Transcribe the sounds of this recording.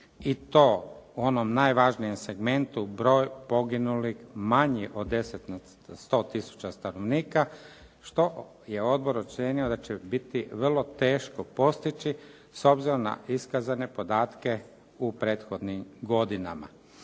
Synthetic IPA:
it̪o̞ːuo̞nomnajʋaʒnijemse̞ɡme̞nt̪ubɾo̞ːjpo̞ɡinulixmaɲiʔo̞d̪ːe̞set̪na | st̪o̞ːt̪isu̥t͡ɕast̪anoʋniːka | ʃt̪o̞ | je̞o̞d̪̚bo̞ɾot͡ʃsenio̞d̪at͡ɕebit̪iʋr̩lˠo̞t̪eːʃkopo̞st̪it͡ʃi | so̞bziɾo̞mna̰ʔiskazane̞po̞d̪aːt̪ke̞ | upɾe̞ːt̪xo̞d̪nimɡo̞d̪ina̰ma̰

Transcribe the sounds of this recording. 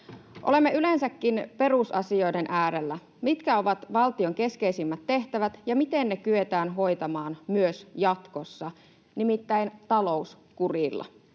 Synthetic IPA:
ʔo̞̰le̞mːeylensækːinpe̞rusɑsio̞jdenʔæːɾelːæ | mit̪kæo̞ʋɑt̪ʋɑlt̪io̞ŋke̞skeisimːæt̪ːe̞ht̪æʋæt̪jɑmit̪e̞nːekyet̪æːnɦo̞jt̪ɑmɑːnmyøsjɑt̪ko̞sːɑ | nimit̪ːæint̪ɑlo̞us | kurilːɑ̰

